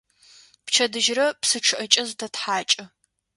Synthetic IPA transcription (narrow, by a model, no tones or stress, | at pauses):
pt͡ʃʰɐdɨʒrɐpsɨʈ͡ʂʰɨʔɐt͡ʃʼɐztʰɐtħaːt͡ʃʼɐ